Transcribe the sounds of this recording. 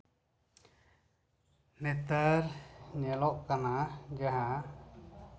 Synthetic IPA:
nɛt̪aɾɲɛlɔʔkanad͡ʒaɦa

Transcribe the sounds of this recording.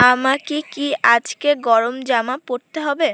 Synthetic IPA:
amakikiad͡ʑkeɡɔɾomd͡ʑamapoɾt̪eɦɔbe

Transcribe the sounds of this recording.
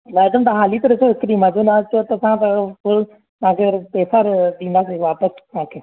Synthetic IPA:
mɛːɖ̪əmt̪ɐɦaːlit̪ɐɾɪsoɦɪkɾimad͡ʒõnat͡ʃot̪ɐsãt̪ɐpʊl | t̪ɐãkʰepeːsaɾd̪ĩːnd̪aːseʋaːpəst̪ãːkʰeː

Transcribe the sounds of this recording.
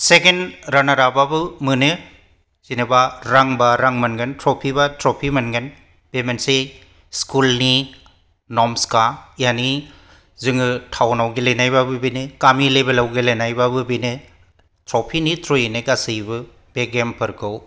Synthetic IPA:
sekenɾanaɾababɯmɯnɯ | z̥inɯbaɾaŋbaɾaŋmɐnɡɯntɾopʰibatɾɔpʰimɐnɡɯn | b̥emense | skulni | nɔmskajani | zɯŋɯtʰawnawɡilejnajbabɯbinɯkamilebelawɡelenajbabɯbinɯ | tɾɔpʰinitɾojnɯɡasɯjbɯ | b̥eɡempʰɯɾkʰɯw

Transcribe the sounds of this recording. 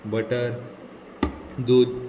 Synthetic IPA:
bəʈəɾ | d̪ud̪̚

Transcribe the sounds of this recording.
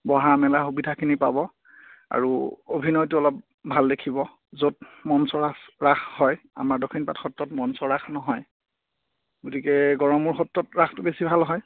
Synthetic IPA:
bɔɦaɹmɛlaxubidʱakʰinipabɔ | a̰ɹuobʱinɔjtʊɔlɔp̚ | bʱaldekʰibɔ | zot̚mɔnsɔɹasɹaxhɔj | a̰maɹdɔkʰinpatxɔtːɔtmɔnsɔɹaxnɔɦɔj | ɡotikɛɡɔɹɔmuɹxɔtːɔtɹaktʊbesibʱalɦɔj

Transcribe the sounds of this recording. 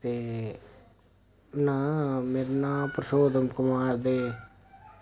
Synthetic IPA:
t̪eː | nãːmeːɾnãːpɾəsoːd̪əmkʊmaːɾd̪eː

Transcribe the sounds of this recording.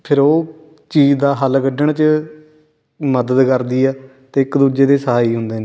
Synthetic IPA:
pʰɪɾoː | t͡ʃiːd͡ʒd̪aːɦəlkəɖəɳt͡ʃə | məd̪əd̪kəɾd̪iːɛː | t̪eːɪkd̪uːd͡ʒeːd̪eːsəɦaːiːɦʊnd̪eːneː

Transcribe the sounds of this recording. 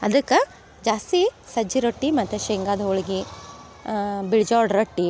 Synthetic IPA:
ɐd̪ɐkːɐ | d͡ʒaːst̪isɐd͡ʒiɾoʈːimɐt̪ːeʃeŋɡaːd̪ɐoɭɡi | biɭd͡ʒaːɾɖɾɐʈːi

